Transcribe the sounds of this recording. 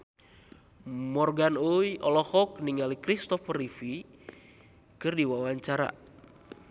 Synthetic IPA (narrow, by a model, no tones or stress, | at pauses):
mɔrɡanujʔɔlɔhɔk̚niŋalikɾist̪ɔfərifi | kɨrdiwawaɲt͡ʃaɾa̰